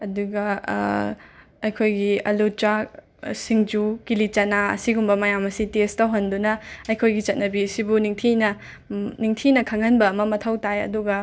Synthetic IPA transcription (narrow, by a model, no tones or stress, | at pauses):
ɐduɡɐ | ɐjkʰojɡiɐlut͡ʃa | siŋd͡ʒukilit͡ʃɐnaɐ̰siɡumbɐmɐjamɐsitestɐɦɐndunɐɐjkʰojɡit͡ʃɐt̚nɐbisibuniŋtʰinɐ | niŋtʰinɐkʰɐŋɐnbɐːmɐmɐtʰɐwtajɐ̰duɡɐ